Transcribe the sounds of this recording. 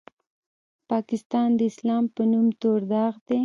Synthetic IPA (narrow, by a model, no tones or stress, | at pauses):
pɑkɪst̪ɑnd̪əɪslɑmpənumt̪oɾd̪ɑɣd̪e